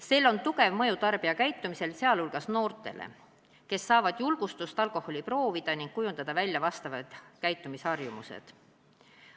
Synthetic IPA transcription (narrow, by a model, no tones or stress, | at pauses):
se̞ːlːo̞nt̪uɡe̞vmɤjut̪ɑrb̥iɑkæjt̪ˑːumise̞lse̞ɑlulɡ̥ɑsno̞ːrt̪ˑe̞̰lʔḛ | ke̞sːɑːvɑd̪̥julɡ̥ust̪ust̪ɑlkˑo̞hːo̞lʲipro̞ːvid̪̥ɑniŋɡ̥̚kujund̪̥ɑd̪̥ɑvælʲjɑvɑst̪ɑvɑd̪̥kæjt̪ːˑumishɑrjumusḛd̪̥